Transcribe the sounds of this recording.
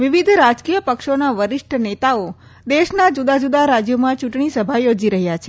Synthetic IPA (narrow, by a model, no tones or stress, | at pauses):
ʋiʋid̪ʱɾad͡ʒkijəpəkʃonaʋəɾɪʃʈʰənet̪ao | d̪eʃnad͡ʒud̪ad͡ʒud̪aɾad͡ʒjomãt͡ʃuʈɳ̃isəbʱajod͡ʒiɾəɦjat͡ʃʰe